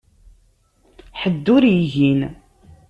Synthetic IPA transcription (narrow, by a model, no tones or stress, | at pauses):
ħəd̪ːʊɾjiʝin